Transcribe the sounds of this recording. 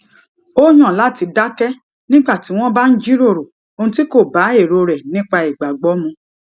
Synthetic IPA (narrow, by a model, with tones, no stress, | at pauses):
o˦j̃ɔ̃˦˨la˦˨ti˧da˦kɛ˦ | nĩ˦ɡ͡ba˦˨ti˨˦w̃ɔ̃˦ba˦n̩˦d͡ʒi˦ɾo˦˨ɾo˨ | o˧ũ˧ti˦ko˦˨ba˨˦e˦˨ɾo˧ɾɛ˨nĩ˦k͡pa˧i˨ɡ͡ba˨ɡ͡bɔ˨˦mũ˧